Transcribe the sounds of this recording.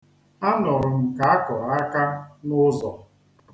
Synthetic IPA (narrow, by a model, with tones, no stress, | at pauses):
a˦nɔ˨ɾʊ˨m̩˦ka˨a˦kɔ˨ɾa˦ka˦nʊ˦zɔ˨